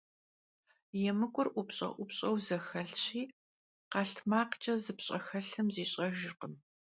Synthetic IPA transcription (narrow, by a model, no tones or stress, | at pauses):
jɛmɨkʷʼʊrʔʷʊpɕʼɐ̰ʔʷʊpɕʼɐwzɐxɐɬɕʰiː | qɑːɬtʰmaːqt͡ʃʼɐzɨpɕʼɐxɐɬɨmziːɕʼɐʒɪrqəm